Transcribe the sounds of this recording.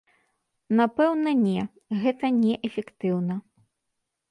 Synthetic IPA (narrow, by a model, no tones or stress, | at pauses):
napɛwnɐnʲɛ | ɣɛt̪ɐnʲɛʔɛfʲɛkt̪ɨwnɐ